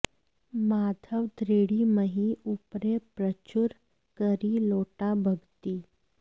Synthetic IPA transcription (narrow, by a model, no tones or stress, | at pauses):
mad̪ʱəʋd̪ʱɾeɽiməɦiupɾepɾət͡ɕuɾ | kəɾiːloʈabʱəɡt̪iː